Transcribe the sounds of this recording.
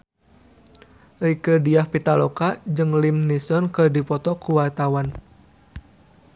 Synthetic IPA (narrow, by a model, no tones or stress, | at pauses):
əjkədiahpit̪alɔkad͡ʒɨŋlimnisɔnkərdipɔt̪ɔkuwart̪awan